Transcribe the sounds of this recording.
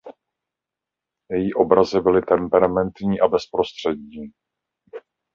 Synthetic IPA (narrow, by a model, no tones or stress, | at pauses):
jɛjiːʔo̞bɾazɪbɪlɪt̪ɛmpɛɾamɛnt̪ɲiːʔabɛspɾo̞st̪r̝̥ɛd̪ɲiː